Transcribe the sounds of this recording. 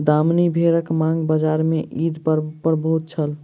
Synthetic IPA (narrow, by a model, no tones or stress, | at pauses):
d̪amnibʱeɾəkmãŋɡbəd͡ʒaɾmeʔid̪pəɾpəɾbɦut̪̚t͡ʃʰəl